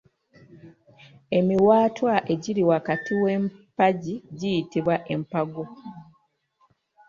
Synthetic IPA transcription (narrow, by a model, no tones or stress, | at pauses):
e̞miwaːtwaʔe̞ɟiɾiwakatiwe̞mpaɟiɟijitiβwaʔe̞mpaɡo